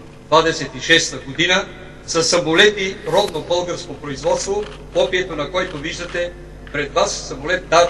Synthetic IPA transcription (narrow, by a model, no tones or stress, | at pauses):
d̪vad̪ɛsɛt̪iʃɛst̪əɡod̪inə | sɐsɐmolɛt̪iɾɔd̪nobɤlˠɡəɾskopɾoizvɔt̪st̪vo | kɔpiɛt̪onɐkɔjt̪oviʒd̪ət̪ɛ | pɾɛd̪vassɐmolɛt̪̚d̪a